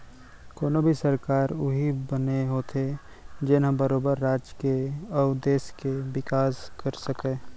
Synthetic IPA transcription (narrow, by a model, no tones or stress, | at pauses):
koːnobʱisəɾkaːɾʊɦibəneɦoːt̪ʰe | d͡ʒɪnɦə̃bəɾoːbəɾːaːd͡ʒkeɔːd̪eːskebɪkaːskəɾsəkẽː